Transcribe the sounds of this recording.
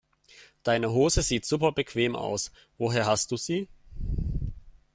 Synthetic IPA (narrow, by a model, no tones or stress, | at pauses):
d̥aɪnəɦoːzəziːtz̥uːpɐbəkʰv̥eːma̰ʊs | voːɦeːɐɦastd̥uːz̥iː